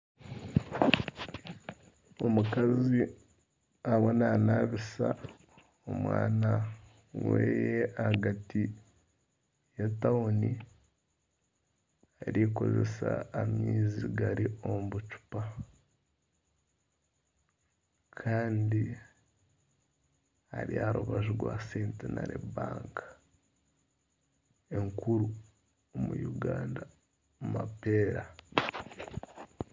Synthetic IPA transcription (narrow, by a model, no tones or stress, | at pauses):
o̞mukazi | awonanaβisa̰ | o̰mwa̰ːna | wḛːjeahaɡati | jataoni | aɾiko̞̰ze̞̰sa̰ːmiːziɡaɾiomβut͡ʃu̥pa | kʰaːndi | haɾiaɾuβaʒiɡwaːseːntenaɾebaːŋkḁ | eŋkuɾu | omujuɡaːnda | mumapeːɾa